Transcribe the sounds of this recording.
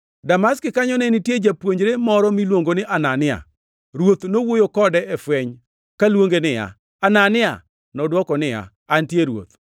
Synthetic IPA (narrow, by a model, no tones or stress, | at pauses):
damaskɪkaɲɔnɛnitjed͡ʒapwoɲd͡ʒɾemɔɾɔmilwoŋɡonɪʔananɪa̰ | ɾwot̪nowojokɔdɛɛfwɛɲ | kalwoŋɡenɪja̰ | ananɪa̰ | nɔdwɔkɔnɪja̰ːntjeɾwo̰t̪